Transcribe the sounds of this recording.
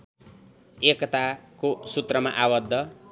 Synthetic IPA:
ekʌt̪akosut̪rʌma̰ʔawʌd̪ʱːʌ

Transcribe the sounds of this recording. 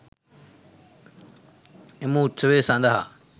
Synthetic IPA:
ɪmũːt͡sʰəʋesãːnd̪aɦa̰ː

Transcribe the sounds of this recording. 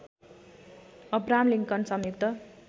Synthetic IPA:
ʌbɾamliŋkʌnsʌmjuk̚t̪ʌ

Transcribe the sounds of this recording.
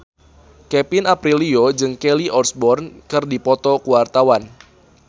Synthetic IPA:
kɛpinapɾiliod͡ʒɨŋkɛliʔɔrsbɔrnkɨrdipɔt̪ɔkuwart̪awan

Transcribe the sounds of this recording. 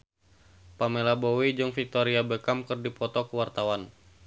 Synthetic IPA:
pamelabowid͡ʒuŋfik̚t̪ɔɾiabəkamkɨrdipɔt̪ɔkuwart̪awan

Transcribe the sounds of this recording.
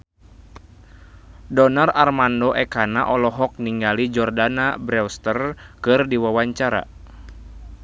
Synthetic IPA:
dɔnararmandɔʔɛkanaʔɔlɔɦɔk̚niŋɡalid͡ʒɔrdanabɾɛwst̪ərkɨrdiwawaɲt͡ʃaɾa̰

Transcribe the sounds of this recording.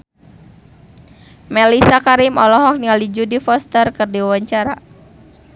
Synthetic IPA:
mɛlisakaɾimɔlɔɦɔk̚niŋalid͡ʒudifɔst̪ərkɨrdiwawaɲt͡ʃaɾa

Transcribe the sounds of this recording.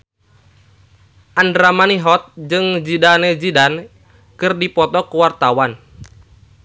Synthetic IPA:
ʔandɾamaniɦɔt̪̚d͡ʒɨŋd͡ʒidaned͡ʒidan | kɨrdipɔt̪ɔkuwart̪awan

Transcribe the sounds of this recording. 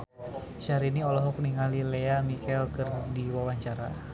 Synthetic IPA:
t͡ʃaɾiniɔlɔɦɔkniŋalileamikɛlkərdiwawaɲt͡ʃaɾa̰

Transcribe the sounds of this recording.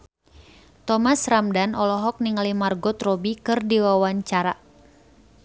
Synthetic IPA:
t̪ɔmasramdanʔɔlɔɦɔk̚niŋalimarɡɔt̪rɔbikɨrdiwawaɲt͡ʃaɾa

